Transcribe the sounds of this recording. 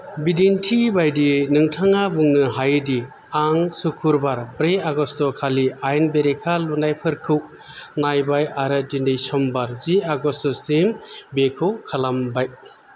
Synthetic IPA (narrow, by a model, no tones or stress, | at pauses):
bidintʰibajdinɯŋtʰaŋabuŋnɯɦajdi | aŋsukʰuɾbaɾbɾeaɡɔstɔkʰaliajnbeɾekʰalunajpʰɯɾkʰɯw | najbajaɾɯdindejsɔmbaɾziaɡɔstɔstimbekʰɯkʰalambaj